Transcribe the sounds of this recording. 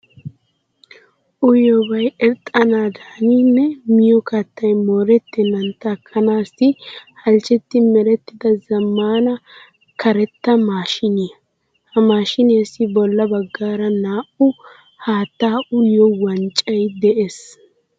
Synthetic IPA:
ʔʊjɔbɐjɛɾt̪ʼːɐnaːd̪aːninːɛmɪjɔkɐt̪ːɐjmoːɾɛt̪ːɛnːɐnt̪ːɐkʰːɐnaːsɪhɐlt͡ʃːɛt̪ːɪmɛɾɛt̪ːɪd̪ɐzɐmːaːnɐ | kɐɾɛt̪ːɐmaːʃɪnɪɐ | hɐmaːʃɪnɪjɐsːɪbɔlːɐbɐɡːaːɾɐnaːʔʊ | haːt̪ːaːʔʊjjɔwɐnt͡ʃʼɐjd̪ɛʔes

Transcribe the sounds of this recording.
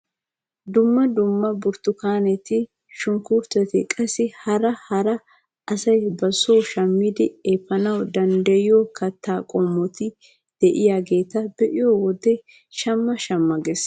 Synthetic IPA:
d̪ʊmːɐd̪ʊmːɐbʊɾt̪ʊkaːnɛt̪ɪ | ʃʊŋkuɾt̪ɐt̪ɪkʼɐsɪhɐɾɐhɐɾɐ | ʔɐsɐjbɐsoːʃɐmːɪd̪ɪeːpːɐnɐwd̪ɐnd̪ɐjɪjokɐt̪ʰːaːkʼɔmːɔt̪ɪ | d̪̥ɛʔɪjaɡe̞ːt̪ɐbɛʔɪjowɔd̪ɛ | ʃɐmːɐʃɐmːɐɡɛs

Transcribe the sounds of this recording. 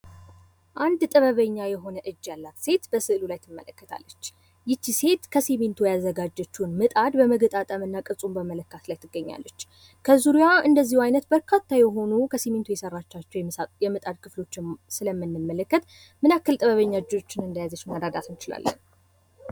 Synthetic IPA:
ʔand̪t̪ʼəβəβəɲːajɛɦo̞nəʔɨd͡ʒːjalːat̪se̞t̪bəsɨʔlulajt̪ʰɨmːə̰ləkːət̪ʰa̰lːət͡ʃː | jɪt͡ʃːise̞t̪kʰəsement̪ʰujazːəɡad͡ʒːɛt͡ʃːunmɨt̪ʼad̪bəməɡət̪ʼat̪ʼəmɨnːakʼɨsʼumbəmələkːat̪lajt̪ʰɨɡːəɲːa̰lːət͡ʃː | kʰəzuɾijaɨnd̪əzːihwajnət̪bəɾkʰat̪ːajɛɦo̞nukʰəsement̪ujɛsərːat͡ʃːat͡ʃːɛwjɛmɨt̪ʼad̪kʰɨflo̞t͡ʃːsɨləmːɨnːɨmːələkːət̪ | mɨnakːɨlt̪ʼəβəβəɲːaɨd͡ʒo̞t͡ʃːɪnɨnd̪ajazət͡ʃːmad̪ad̪at̪ʰɨnt͡ʃɪla̰lːə̰n

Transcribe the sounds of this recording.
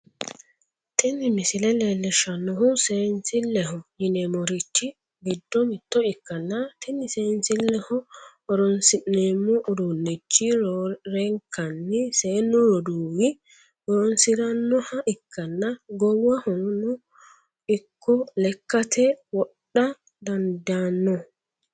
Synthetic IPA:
t̪ʰɛnːɪmɪsɪlɛleːlːɛʃɐnːɔɦʊseːnsɪlːɛɦɔjɪnɛmɔɾɪt͡ʃːɪ | ɡɪd̪ːɔmɪt̪ːɔɪkːɐnːɐt̪ʰɪnːɪseːnsɪlːɛhɔ | ɔɾɔnsɪʔeːmːɔʔʊd̪unːɛt͡ʃːɪɾɛŋkʰɐnːɪseːnːɔɾɔd̪uːwɪ | ɔɾɔnsɪɾɐnːɔhɐʔɪkʰːɐnːɐɡɔwːɐhɔnʊ | ɪkʰːɔlɛkːɐt̪ʰɛwɔɗːɐ | d̪ɐnd̪anːɔ

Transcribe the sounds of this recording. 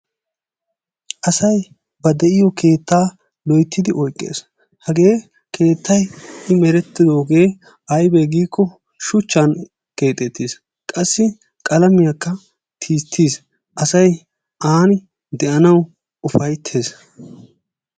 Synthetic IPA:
ʔɐsɐj | bɐd̪ɛʔɪjɔke̞ːt̪ːaː | lɔjt̪ʰːɪd̪ɪʔɔjkʼːḛːs | hɐɡe̞ː | kʰe̞ːt̪ʰːɐjɪmɛɾɛt̪ːɪd̪o̞ːɡe̞ː | ɐjbɛɡiːkʰːɔ | ʃʊt͡ʃːan | ke̞ːt̪ʼːɛt̪ːiːs | kʼɐsːɪ | kʼɐlɐmɪjɐkːɐ | t̪ʰiːt̪ʰːiːs | ʔɐsɐj | ʔaːnɪ | d̪ɛʔɐnɐw | ʊfɐjt̪ʰːe̞ːs

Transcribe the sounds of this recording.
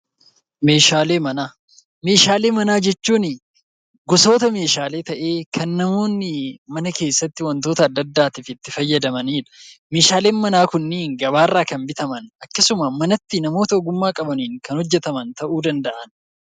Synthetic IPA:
me̞ːʃaːle̞ːmɐnaː | me̞ːʃaːleːmɐnaːd͡ʒɛt͡ʃːuːnɪ | ɡʊso̞ːt̪ɐme̞ːʃaːle̞ːt̪ɐʔe̞ːkʰɐnːɐmo̞ːnːɪmɐnɐke̞ːsːɐt̪ːɪwɐnt̪o̞ːt̪ɐːd̪ːɐd̪ːaːt̪ifɪt̪ːɪfɐjːɐd̪ɐmɐniːᶑɐ̥me̞ːʃaːle̞ːnmɐnaːkʊnːiːŋɡɐbaːrːaːkɐnbɪt̪ɐmɐnʔɐkːɐsʊmɐmɐnɐt̪ːɪnɐmo̞ːt̪ɐɔɡʊmːaːkʼɐbɐniːŋkɐnhɔd͡ʒːɛt̪ɐmɐnt̪ɐʔuːd̪ɐnd̪ɐʔɐn

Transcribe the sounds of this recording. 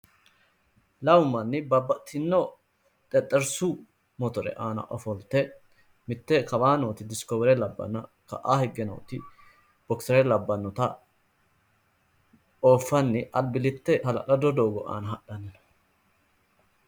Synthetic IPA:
lɐwmːɐnːɪbɐbːɐt̪ɪnːɔ | t̪ʼɛt̪ʼːɛɾsʊ | mɔt̪ɔɾɛ̰ʔaːnɐ̰ʔɔfɔlt̪ːɛ | mɪt̪ːɛkɐbaːnoːt̪ɪd̪ɪskoːbɛɾɛlɐbːɐ̰nɐ | kɐ̰ʔaːhɛɡːɛno̰ːt̪ɪ | b̥ɔksɛɾɛlɐbːɐnːɔt̪ɐ | oːfːɐnːɪʔɐlbɪlɪt̪ːɛhɐlɐ̰kɐd̪ɔd̪o̞ːɡɔʔa̰ːnɐhɐɗɐn

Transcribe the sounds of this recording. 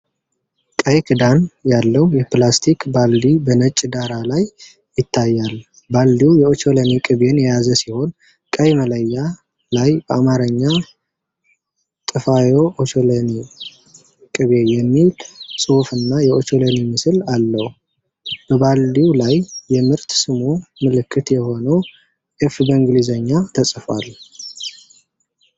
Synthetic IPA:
kʼəjkɨd̪anjalːəhujɛplast̪ʰikbald̪ibənət͡ʃʼːd̪aɾalajː | ɪt̪ʰːajːal | bald̪iwjɛo̞t͡ʃo̞lənikʼɨβe̞njɛjazəsiho̞n | kʼəjmələjːa | lajbəamaɾəɲːa | t̪ʼɨfajo̞ʔot͡ʃoləni | kʼɨβejɛmːilsʼofɨnːajɛot͡ʃolənimɨsɨlalːəhu | b̥əbald̪iwlajːɛmɨɾt̪sɨmomɨlɨkʰːɨt̪jɛho̞nəw | ʔefbəɨŋɡlizəɲːat̪ʰəsʼfalːu

